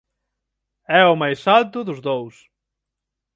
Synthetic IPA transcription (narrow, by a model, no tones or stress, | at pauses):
ɛʊmajsalt̪ʊðʊzðows